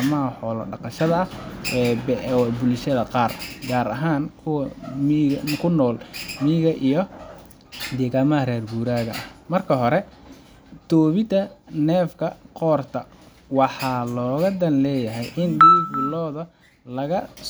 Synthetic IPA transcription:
mɐɦɐħɔːlɐ̰ɖɑqɑʃɐðɐɐɛːbɛwbʊlʃɐðɐqɑːrɡaːɾɐɦaːnkʰʊw | kʰʊnːɔːlmiːɣɐʔijɞ | d̪ɛːɣaːmɐɦɐrɛːrɡuːɾaːɣɐɐhmɐrkʰɐɦɔɾɛ | t̪ʰɔːβɪt̪ʰɐnɛːfkʰɐqɔːrt̪ʰɐ | wɑħɑːlɔːɣɐd̪ɐnlɛːjɐɦɛjʔɪnd̪iːbɪlɔːðɐ | lɐɣɐ

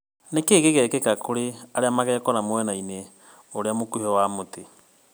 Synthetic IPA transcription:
nekeːɣeɣɛkekakoɾeaɾeamaɣɛkɔɾamwɛnaine | oɾeamokuiɔwamote

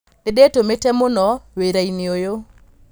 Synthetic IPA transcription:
edetometɛmonɔweɾainɪojo

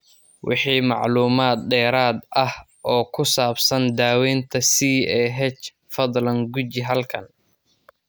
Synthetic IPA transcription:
wʔɪ̰ħiːmɑ̰ʕluːmaːd̪̚ɖɛːɾaːd̪ʔɐh | ʔɔːkʰʊsaːbsɐnd̪aːwɛːnt̪ʰɐsiːɛːɦɛt͡ʃ | fɐðˤlɐŋɡʊt͡ʃɪɦɐlkʰɐn

